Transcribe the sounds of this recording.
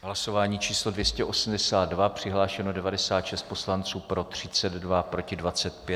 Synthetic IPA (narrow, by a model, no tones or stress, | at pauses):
ɦlaso̞vaːɲiːt͡ʃiːslo̞dvjɛscɛʔo̞sm̩dɛsaːd̪̚dvapr̝̥ɪɦlaːʃɛno̞dɛvadɛsaːt̪ʃɛst̪̚po̞slant͡suːpɾo̞t̪r̝̥ɪt͡sɛd̪dvapɾo̞cɪdvat͡sɛt̪pjɛ